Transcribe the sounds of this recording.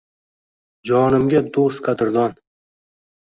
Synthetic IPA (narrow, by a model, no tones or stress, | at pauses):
d͡ʒɒːnɪmɡʲad̪ost̪qʰat̪ʰɪɾd̪ɒn